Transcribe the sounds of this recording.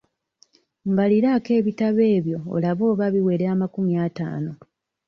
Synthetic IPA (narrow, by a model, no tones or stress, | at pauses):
ŋɡaliɾake̞ːβitaβe̞ːβjo̞̰ːlaβo̞ːβaβiwe̞ɾeamakumjaːta̰ːno̞